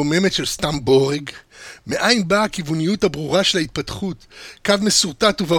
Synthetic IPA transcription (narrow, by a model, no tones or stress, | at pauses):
ome̞metʃelst̪amboʁeɡmeʔajmbaːkivunijuthabʁuʁaʃe̞lait̪̚patχutkavme̞suʁtatuva